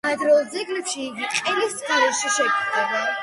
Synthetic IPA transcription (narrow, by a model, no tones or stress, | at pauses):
ad̪ɾɔlˠd̪zɛɡlɛpʃiːɡiqʼɛlisχʰɛɾɛʃiʃɛkʼit̪ɛba